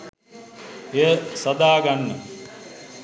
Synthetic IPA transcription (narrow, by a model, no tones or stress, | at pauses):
ejəsɐd̪aːɡanːə